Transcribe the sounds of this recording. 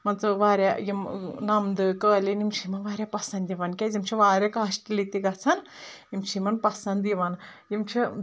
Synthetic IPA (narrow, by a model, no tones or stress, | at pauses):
mɐnt͡sɨʋaːɾʲjajimnɐmd̪ɨkəːlinimt͡ʃʰimɐnʋaːɾʲjapɐsɐnd̪iʋɐnkʲɛzimt͡ʃʰiʋaːɾʲakaːʃʈilit̪iɡɐt͡sʰɐnjimt͡ʃʰimɐnpɐsɐnd̪iʋɐn | jimt͡ʃʰi